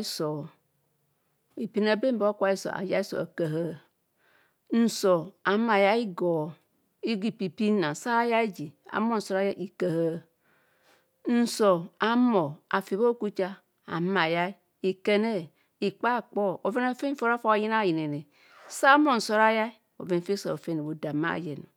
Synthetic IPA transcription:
i˦so˨ | i˨pi˨na˨be˦m˦bo˦kʷa˦i˦so̰˨ʔa̰˨ja˦i˦so̰˨a̰˨ka˨ɦa˦ | n̩˨so˨a˨˦ma˨ja˦i˦ɡo˨ | i˦ɡi˨pi˨pi˦na˨sa˦ja˦i˦d͡ʒi˨a̰˨mo˦˨n̩˨so˨˦ɾa˦ja˦ʔi˨ka˨ha˦ | n̩˨so˨a˦mo˨a˨fi˨βo˦ku˦t͡ʃa˦ | a̰˨˦ma˨ja˦i˦ | i˨ke˨ne˦ | i˨k͡pa˦˨k͡po˦o˨ve˦na˨fe˦fo˦ɾa˦fo˦a˨ji˦na˦˨ji˨ne˨ne˨ | sa˦mo˦˨n̩˨so˦ɾa˦ja˦i˦ | o̰˨ve˨n˨˦fe˦so˨o˨fe˦ne˨wo˨da˨ma̰˦˨je˨na̰˨

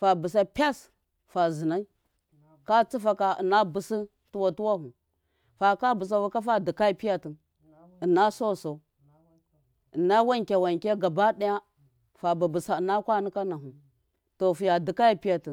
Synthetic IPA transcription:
fa˨bu˨s̬a˦pʲa˦s | fa˨zi˨na˦i˦ | ka˦t͡si˦fa˦ka˨ə˨na˦bu˨si˦ | tu˦wa˨tu˦wa˦ɦu˨ | fa˨ka˦bu˨s̬a˨wa˦ka˦fa˦di˨ka˦i˦pi˦ja˦ti˨n | ə˨na˦so˦˨so˨ | ə˨na˦wa˦ŋkʲa˨wa˨ŋkʲe˦ɡa˨ba˦ɗa˦ja˦ | fa˨ba˨bu˨sa˨na˦kʷa˦ni˦ka˦na˨ɦu˨ | to˨fu˨ja˨di˨ka˦ja˦pi˦ja˨ti˨

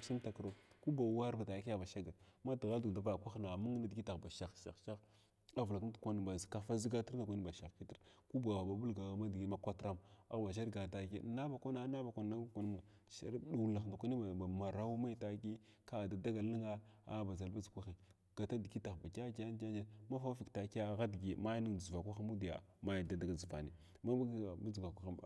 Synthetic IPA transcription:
si˦m˦ta˨kɾo˦ku˦ba˨wa˦ɾba˨ta˨ki˦a˦˨ba˨ʃa˦ɡa˨ma˦di˨ɣa˦du˨da˨va˨kʷa˦xna˨mu˦ŋ˦na˦di˨ki˦ta˨ba˨ʃa˨xʃa˨xʃa˦x | a˦vla˨kə˦n˦˨kʷa˦n˨ba˨zka˨fa˦zi˦ɡa˦ti˦ɾna˨kʷa˦n˦ba˨ʃa˨xki˦ti˦ɾku˦ba˨a˨ba˨bu˦lɡa˨a˨ma˦dɡi˦ma˦kʷa˦tɾa˦ma˨ba˨ʃ̬a˦ɾɡa˨ta˨kna˦ba˨kʷa˦na˦na˦ba˨kʷa˨n˨na˦kʷa˨n˦ma˨ | ʃa̰˦ɾɗu˨la˨xnda˨kʷa˦ni˦˨a˨ma˨ɾa˦wu˦ma˦i˦ta˨ki˦ | ka˦˨da˨da˦ɡa˨li˦ŋa˦a̰˦˨ba˨za˨lba˦zkʷa˦xi˨ | ɡ̥a˨ta˦di˨ki˦ta˨xba˨ka˦ka˦n˦d͡ʒa˦d͡ʒa˦ma˦fa˦fi˨kta˨ki˦a˦˨ɣa˦dɡi˨ma˦jni˦ŋ˨d͡zu˨va˨kʷa˦xa˦mu˦di˨ja̰˨ma˦ja˨da˨da˨ɡa˨d͡zi˨va̰˨nḭ˨ | ma˦bɡba˦d͡zɡa˨kʷa˨˦a˦a˨

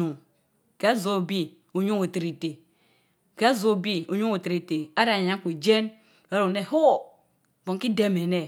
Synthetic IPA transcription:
u˨ | ka˨˦zo˦˨bi˦ | u˨ɲu˦o˨te˨ɾi˨te˨ | ka˦zo˦˨bi˦u˨ɲu˦ŋu˨tɾi˨te˨a˦ɾa˨ɲa˦ŋku˨d͡ʒe˦n | a˨˦ɾo˨ne˦˨ho˦˨ | bo˨ki˦de˦me˨ne˨

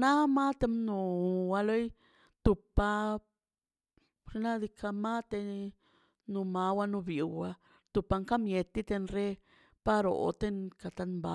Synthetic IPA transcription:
na˦ma˦t̪e˧mnu˨wa˧lo˦j | t̪u˨pa˧ | ɾna˦d̪i˧kʰa˧ma˦t̪e˧ | nu˧ma˧wa˧nu˧bi˨wa˧ | t̪u˨pa˧ŋka˦mje˧t̪i˦t̪e˧nɾe˦ | pa˦ɾo̰˨t̪e˦nka˨t̪a˧nmba˨

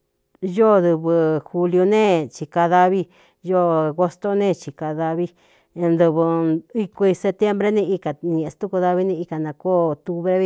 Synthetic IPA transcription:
jo˦˨ðɨ˧βɨ˧xu˧ljo˧nẽ˦t͡ʃi˧ka˧ða˧βi˦ | jo˦ɣo˧st̪o˦nẽ˦˧˨t͡ʃi˧ka˧ða˧βi˦˧ | nd̪ɨ˧βɨ˧i˧ku˧i˧se˧t̪je˦mbɾe˦nĩ˦˧i˧ka˨ɲĩ˧˨ẽ˧st̪u˦ku˧ða˧βi˦nĩ˧i˧ka˨nã˧ko˦˨o˧t̪u˧βɾe˦i˧

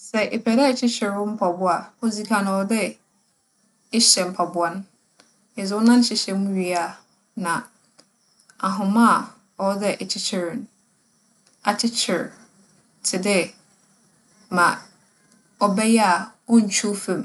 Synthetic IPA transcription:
sɛ˨ʔe˨pʰæ˨dɛ˦˨t͡ɕʰɪ˦t͡ɕʰɪ˨ɾʊ˦m̩˦pʰɔ˨bʊ˦a˨ɔ˦zi˨kʰã˨nʊ̃˨ɔ˨dɛ˦ | ɪ˦ɕɛ˨m̩˨pʰa˨bʊ˦a˦n˦ | ɪ˨zʊ˦ʊ˦nã˦n˦ɕɪ˨ɕɛ˨mũ˦ɥi˨a˨ | nã˨ | a˨ɦʊ̃˨mã˦˨ | ɔ˦dɛ˦ʔɛ˨t͡ɕʰɪ˦t͡ɕʰɪ˨ɾɪ˨ñ˦ | a˨t͡ɕʰɪ˦t͡ɕʰɪ˨ɾ | tʰɪ˨dɪ˦ | mã˨ | ɔ˨bɛ˦jɛ˦a˨ɔ˦n̩˨t͡ɕʰᶣu˦fẽ˨m

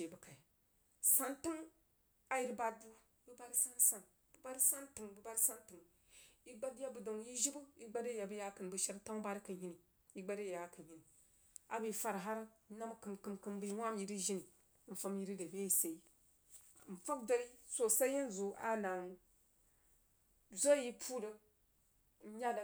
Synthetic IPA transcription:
e˨bə˨ka˨ | sa˦nti˦ŋ | a˨ji˨ɾba˦du˦ | bɨ˦ba˦ɾi˦sa˦nsa˨n | b̥ɨ˦ba˦ɾi˦sa˦nti˨ŋbɨ˦ba˦ɾi˦sa˦ntɨ˨ŋ | i˦ɡ͡ba˦dja˦bə˨do˨ŋji˦ʒi˦bu˦i˦ɡ͡ba˦de˦ja˨bɨ˦ja˦kɨ˨n˨bɨ˨˦ʃa˦ɾta˦ba˦ɾi˦kə˨ɲi˨ni˨ | ji˦ɡ͡ba˦de˦ja˨˦ki˨ɲi˨ni˨ | a˨bi˨fa˨ɾɦa˦ɾna˦m˦kɨ˨mkɨ˨mkɨ˦mbɨ˦wʷa˦mji˨ɾi˦ʒi˦ni˨˦ | n̩˨fa˦mji˦ɾi˦də˨be˦ji˨se˨i˦˨ | n̩˨fa˦kdo˦ɾi˦so˨sa˦ji˦n˦zo˨ʔa̰˦na˨ŋ˨ | zo˦ji˦pʰu˦də˦ | ɲa˦d

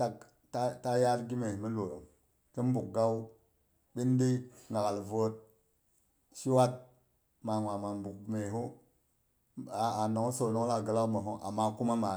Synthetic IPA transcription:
ta˨k | ta˦ta˦ja˦ɾɡi˦me˨hmə˦lo˨ɾo˨ŋ | kə˦m˦bu˨k̚ɡa˦u˦ | ɓi˦n˦di˦ŋa˨ɣa˨lvo˦t̚ | ʃi˦wa˦t̚ | ma˨ŋwa˨ma˨mbu˨k̚me˨ɦu˦ | a˨a˨no˨ŋ˦so˨no˦ŋ˦la˨ɡə˨la˦kmə˨ɦo˦ʔa̰˨mːa˦ku˦ma˦ma˨

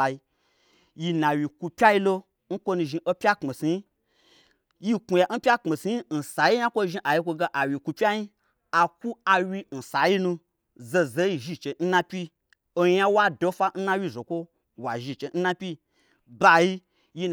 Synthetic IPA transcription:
i˧ | ji˧nã˨wi˨ku˧pʲa˦ji˧lo˧ | ŋ̩˦kʷo˦nũ˧ʒi˧ʔo˧pʲa˦k͡pme˨si˨˧i˦ | ji˦ku˨˧ja˨˦n̩˦pʲa˦k͡pme˨si˧i˦n̩˨sa˨˦ji˦ã˦kʷo˦ʒi˧ʔa˨ji˧kʷo˧ɡa˧ʔa˨wi˨ku˧pʲa˦ji˦ | a˨ku˦a˧wi˧n̩˨sa˨ji˦nũ˧ | ze˧ze˨˦ji˧ʒi˧˨t͡ʃe˧n̩˦nã˧pʲi˦ | o˧jã˦wa˦do˧fa˧n̩˦nã˦wʲi˧˨zo˨kʷo˦ | wa˨ʒi˧˨t͡ʃe˧˨n̩˦nã˧pʲi˦ | ba˧ji˧ | ji˧

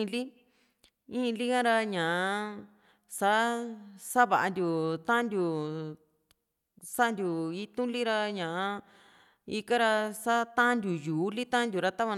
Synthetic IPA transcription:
li˦ | ĩ˦˧li˦kã˦ɾa˧ɲãː˨˧ | sa˦sa˦βa˨ʔa˧nd̪ʲu˨t̪ã˦nd̪ʲu˨ | sa˦˧nd̪ʲu˨i˧˦t̪ũ˦li˦ɾa˧ɲãː˨˧˦ | i˧ka˦ɾa˧sa˦t̪ã˦nd̪ʲu˨juː˨˦li˦t̪ã˦nd̪ʲu˨ɾa˧t̪a˦βa˧

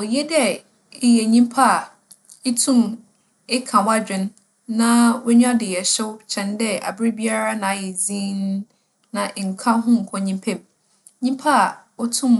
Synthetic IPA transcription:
ɔ˨jɛ˦dɛ˦ | ɪ˦jɛ˨ɲĩ˦m˦pʰa˦˨ | e˦tʰũ˦m | ɪ˦kʰã˨wa˦d͡ʑᶣɪ̃˨nː | ã˦wʊ˦ɲᶣ˦ã˦dɪ˨jɛ˨ɕɛ˦wt͡ɕʰɛ̃˨ndɛ˦a̰˨bɾi˦bi˦a˦ɾa˦nã˨jɛ˨d͡zĩ˦n˦ | nã˨ʔŋ̩˨kʰã˦ɦʊ̃˦ŋ̩˨kʰɔ̃˨ɲĩ˦mpʰɛ̃˦m | ɲĩ˦mpʰa˦˨ | ɔ˦tʰũ˦m

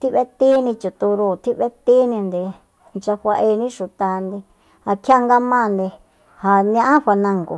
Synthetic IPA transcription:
t̪i˦βe˦t̪i˦nĩ˧t͡ʃu˨t̪u˧ɾu˧˨t̪ʰi˦βe˦t̪i˦nĩ˧nd̪i˧ | nt͡ʃa˧ɸʷa˧ʔe˧nĩ˦ʃu˧t̪a˧nd̪i˧ | a˨kʰja˦ŋɡa˦mã˦˧nd̪i˧ | ha˨ñ˧ã˦ʔã˦ɸʷa˧nã˧ŋɡo̰˨

